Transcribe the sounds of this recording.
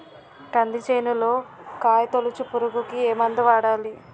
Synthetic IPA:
ʈɐnd̪it͡ʃejnulo̞ːkaːjɐt̪olut͡ʃupuɾuɡukieːmɐnd̪ɐʋaːɽaːli

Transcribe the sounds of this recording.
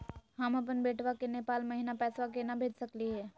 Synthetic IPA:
ɦəməp̬ənbeːʈʰʋakeneːpaːlməɦinapɛːsʋak̬enabʱeːd͡ʒsəkliɦɛː

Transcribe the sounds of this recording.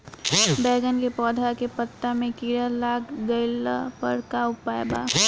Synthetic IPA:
bɛːɡənkepɔːd̪ʱakepət̪ːamẽkiːɾəlaːkɡəɪla̰pəɾkaʊpaːjba̰ː

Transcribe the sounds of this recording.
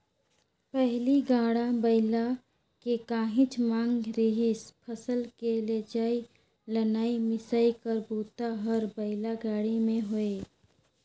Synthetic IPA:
pɛɦliɡaːɽabəɪla | kekaːɦɪ̃t͡ʃmãːŋɡɾɪɦɪspʰəsəlkeled͡ʒaːi | lənaːimɪsəikəɾbuːt̪aɦəɾbəɪlaɡaːɽimẽɦoe

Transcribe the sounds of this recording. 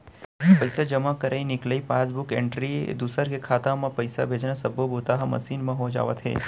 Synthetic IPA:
pɐjsad͡ʒəmakəɾainɪkləipaːsbʊkḛ̃ɳʈɾiḛd̪usəɾkekʰaːt̪ãmãpəjsa̰bʱeːd͡ʒnasəbʱoboːt̪aɦamɐ̰siːnmãɦod͡ʒa̰ːʋə̰t̪ɦḛː

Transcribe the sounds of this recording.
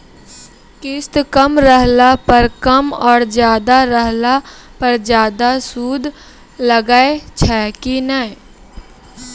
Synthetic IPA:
kɪst̪kəmɾəɦlapəɾkəmɔːɾd͡ʒjaːd̪aɾəɦlapəɾd͡ʒjaːd̪asuːd̪ʱ | ləɡaːet͡ʃʰɛːkinɛː

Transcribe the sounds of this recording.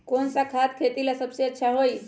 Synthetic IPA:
kont͡sakʰat̪kʰet̪iːlasəbseətːɕʰaɦoi

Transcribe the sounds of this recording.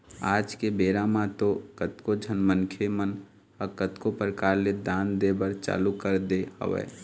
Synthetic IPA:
aːd͡ʒkebeːɾamãt̪okət̪kod͡ʒʱənmənkʰemən | əkət̪kopɾəkaːɾled̪aːnd̪eːbəɾt͡ʃa̰ːlukəɾd̪eɦə̰ʋḛː

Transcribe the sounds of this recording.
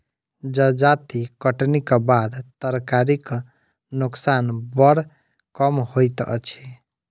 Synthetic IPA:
d͡ʒəd͡ʒat̪ikəʈnikbad̪t̪əɾkaɾik | nuksanbəɽ | kəmhojt̪ə̰t͡ʃʰe

